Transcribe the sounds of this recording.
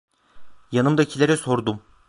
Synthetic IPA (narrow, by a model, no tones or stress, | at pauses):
janɯmd̪aicʰilʲeɾɛso̞ɾd̪um